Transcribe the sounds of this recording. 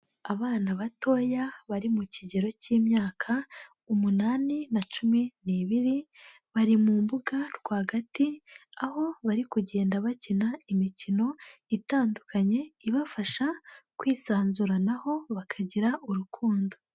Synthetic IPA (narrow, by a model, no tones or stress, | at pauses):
aβaːnaβato̞ːjaβaɾimuciɟe̞ɾo̞ciːmɲaːkʰa | umunaːninat͡ʃuminiːβiɾi | βaɾimuːmbuɡaɾɡwaːɡatiaho̞βaɾikuɟe̞ːndaβacinaimicino̞itaːndukʰaɲe̞iβafaʃakwiːsaːnzuɾanaho̞βakʰaɟiɾaʔuɾukʰuːndo̞